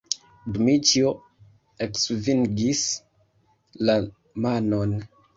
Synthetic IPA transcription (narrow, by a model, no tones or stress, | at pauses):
bmit͡ʃio | eksviŋɡis | la | manon